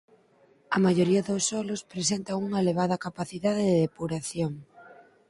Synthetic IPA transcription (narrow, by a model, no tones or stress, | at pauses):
ɐmaʝoɾiɐðosɔlospɾes̬ent̪ɐuŋɐeleβ̞aðɐkapaθiðaðeðeðepuɾaθjoŋ